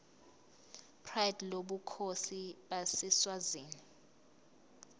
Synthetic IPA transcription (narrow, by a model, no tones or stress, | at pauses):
pʰrajɛdloɓukʰosiɓasɛswaziːni